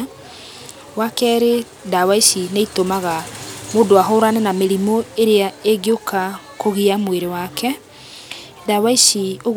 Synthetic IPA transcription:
wakɛɾe | dawaisineitomaɣamodoaɦoːɾanɛnameɾimoeɾeaeɡjokʰa | koɣiamweɾewakʰɛ | dawaisioɣ

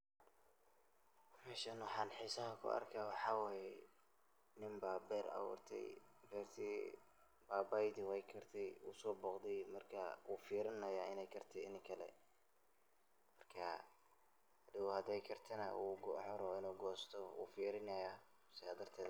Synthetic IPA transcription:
mɛːʃɐnwħɑːnħiːsɐɦɐkʰʊ̰ɐ̰rkʰaːwɑħɑːwɛːjɛ | nɪmbaːbɛːɾɐ̰wɔ̰ːrt̪ʰɛ̰jbɛːrt̪ʰiː | baːbajd̪ɪwɛjkʰɐrt̪ʰɛjṵsɔːbɔːqd̪ɛjmɐrkʰɐʔuːfiːɾɪnɐjaːɪnɛjkʰɐrt̪ʰɛɪnɪkʰɐlɛ̰ | mɐrkʰɐ̰ | hd̪ɪwɔhɐd̪ɛjkʰɐrt̪ʰɐnɐ̰ʔuːɡħɔɾɔɪnuːɡɔːst̪ʰɔṵːfiːɾɪnɐja | sɪaːd̪ɐrt̪ʰɛːd̪

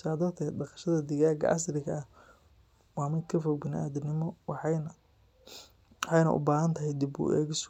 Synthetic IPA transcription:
sɪaːðɔːrt̪ʰɛːd̪ɖɑqɑ̥ʃɐðɐd̪ɪɣaːɡɐ̰ʔɐsrɪɣɐɐ | wɑːmɪd̪kʰɐfɔɡ̚bɪnɪʔaːðʊnɪmɔw | ħɑjnɐ̰ʔʊ̰baːɦɐnt̪ʰɐɦɛjd̪ibṵːʔɛ̰ːɣɪs

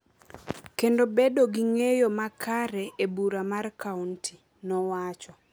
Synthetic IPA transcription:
kendobedoɡiŋejomakʰaɾɛʔebuɾamarkawntʰi | nɔwat͡ʃɔ

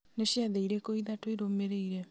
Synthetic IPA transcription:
neɕjaðeiɾekoiðatwoiɾomeɾeiɾe

